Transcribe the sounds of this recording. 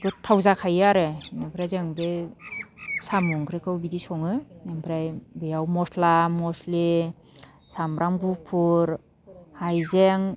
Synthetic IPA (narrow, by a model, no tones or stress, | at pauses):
dutʰːawzakʰajaɾɯnabɾajzeŋbe | samuŋkɾekɯwbidisɔŋɯnembʰɾajbejawmɔslamɔsle | samɾʔaŋbupʰuɾ | hajzeŋ